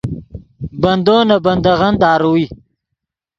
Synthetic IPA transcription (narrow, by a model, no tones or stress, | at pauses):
bɐnd̪oːnabɐnd̪aɣand̪ɑːɾuwi